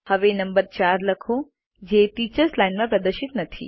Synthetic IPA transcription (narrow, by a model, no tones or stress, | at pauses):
həʋenɐmbəɾt͡ʃaːɾləkʰo | d͡ʒetiːt͡ʃəɾslaɪnmãpɾɐd̪əɾʃɪt̪nɐt̪ʰḭ